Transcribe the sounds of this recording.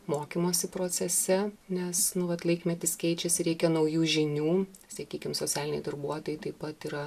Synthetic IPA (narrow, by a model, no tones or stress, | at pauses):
moːkʲimoːsʲɪpɾoːt͡s̪ʲɛsʲɛnʲɛsnʊʋɐt̪lˠɐɪkmʲɛt̪ʲɪskʲɛɪt͡ʃʲɛsʲɪɾʲɛɪkʲɛnɐʊjuːʒʲɪnʲuː | sɐkʲiːkʲɪmsoːt͡s̪ʲæːlʲɪnʲɛɪd̪ɐrbuɔt̪oːjɪt̪ɐɪpɐt̪iːɾɐ